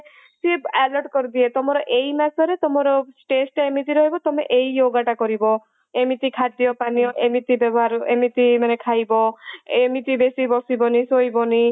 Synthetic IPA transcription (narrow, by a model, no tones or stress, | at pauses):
sieɛlɔɾʈkɔɾid̪iet̪ɔmɔɾɔʔeimasɔɾet̪ɔmɔɾɔʈesʈemit̪iɾɔɦibɔt̪ɔmeʔeijoɡaʈakɔɾibɔ | emit̪ikʰad̪iɔpaniɔʔemit̪ibɔbɔɦaɾuemit̪imanekʰajbɔemit̪ibesibɔsibɔnisojbɔni